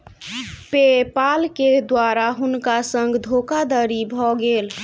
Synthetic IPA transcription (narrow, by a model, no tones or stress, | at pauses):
pepalked̪waɾaɦunkasə̃ŋɡd̪ʱokad̪əɾibʱɔɡeːl